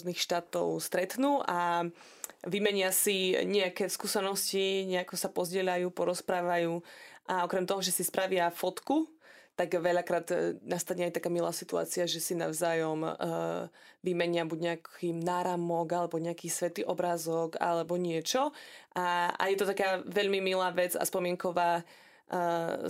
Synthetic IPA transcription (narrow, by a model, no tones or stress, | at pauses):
zniːxʃt̪aːt̪ɔ̰ʊst̪ɾɛt̪nuːʔa | ʋimɛɲɪasiɲɛakɛskuːsɛnɔsciɲɛakɔsapɔzɟɛʎajuːpɔɾɔspɾaːʋajuːʔaɔkɾɛmt̪ɔɦɔʒɛsispɾʔaʋɪafɔt̪ku | t̪aɡʋɛʎakɾaːd̪nast̪aɲɛajt̪akaːmila̰ːsit̪ua̰ːt͡siaʒɛsina̰wʊzaːjɔmː | ʋimɛɲɪabuɟɲɛakiːmnaːɾamɔɡalɛbɔɲɛakiːsʋɛt̪iʔɔbɾaːzɔka̰lɛbɔɲɪɛt͡ʃɔʔaa̰jɛt̪ɔt̪akaːʋɛʎmimilaːʋɛd͡za̰spɔmɪɛŋkɔʋaː